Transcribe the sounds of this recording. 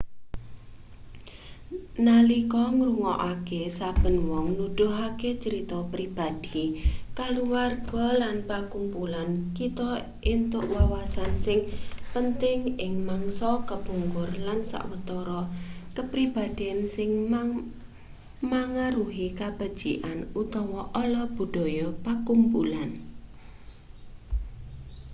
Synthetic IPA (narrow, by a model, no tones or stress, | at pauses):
nalikɔŋɾuŋɔʔakesab̥ə̤nwɔŋnud̪̥uʊɦaket͡ʃəɾit̪ɔpɾib̥a̤d̪̥ikaluwarɡ̥ɔlanpakumpulankit̪ɔ | ʔint̪ʊʔwawasansɪŋpənt̪ɪŋɪŋmaŋsɔkəb̥ṳŋɡʊrlansa̰ʔwət̪ɔɾɔkəpɾib̥a̤d̪̥iansɪŋm | maŋaɾuɦikab̥a̤d̥ʒ̥iʔanut̪ɔwɔʔɔlɔb̥ṳɖ̥ɔ̤jɔpakumpulan